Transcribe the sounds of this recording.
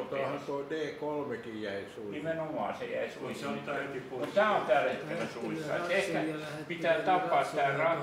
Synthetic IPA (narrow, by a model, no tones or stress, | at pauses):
ot̪ɑːhɑnt̪oideːkolmekijjæisnimenomɑ̰ːsḛjæ̰isuisɑːut̪t̪æːont̪ælet̪ːæʋæsuisːɑ̰ḛt̪ehkæpit̪æːt̪ɑpːɑːt̪t̪ːæːrɑ